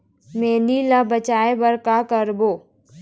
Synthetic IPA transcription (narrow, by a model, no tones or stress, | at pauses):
meːnilabət͡ʃaːebɐɾkakəɾboː